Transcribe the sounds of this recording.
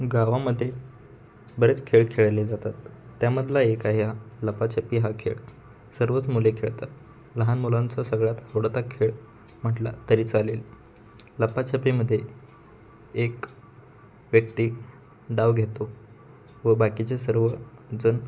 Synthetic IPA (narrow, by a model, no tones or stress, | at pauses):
ɡaʋaməd̪ʱːje | bəɾet͡skʰeɭkʰeɭled͡zat̪at̪ːjaməd̪ʱlaekaɦjaləpat͡ɕʰəpiɦakʰḛɭ | səɾʋət͡smulekʰeɭt̪at̪̚ | ləɦanmulant͡səsəɡɭat̪əʋɽt̪akʰːeɭ | m̤əʈla̰t̪əɾiːt͡salel | ləpat͡ɕʰəpiməd̪ʱːje | ek | ʋjək̚t̪iː | ɖaʋɡʱet̪o | ʋəbakit͡sesəɾʋəd͡zən